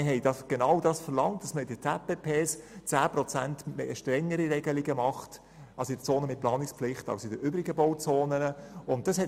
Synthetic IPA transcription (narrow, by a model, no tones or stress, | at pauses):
ɦɛɪd̥ɑɡ̥enɑwdɑːsfəlɑŋt̚d̥ɑsməɪdətʰɛpepʰeːst͡sæːpɾɔt͡sæntmɛ̰əʃtɾɛŋːəɾiɾɛɡəliɡəmɑχt | ʔɑsɪd̥ət͡soːnəmɪt̚plɑːnɪkspflɪχtɑ̰ʊsɪdəɾʔʏːbɾiɡəboʊt͡soːnənəʊnt̚d̥ɑshɛ